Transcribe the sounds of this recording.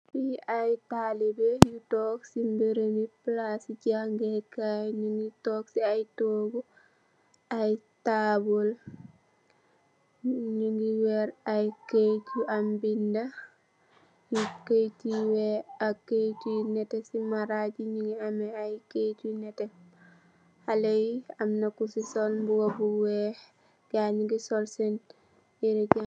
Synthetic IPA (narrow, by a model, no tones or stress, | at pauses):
fiajtalibɛjutɔːksimbeɾəmiplasiɟaŋɡɛkaɲuŋɡitɔːksiajtoːɡu | ʔajtaːbɔl | ɲuŋɡiwɛɾajket͡ʃuʔambinda | jiketiwɛaket͡ʃunɛtɛsimaɾaɟiɲuŋɡiamɛajkecunɛtɛ | halejiamnakusisɔlmbuɡobuwɛh | ɡaɲiɡisɔlsɛn | iɾɛɟ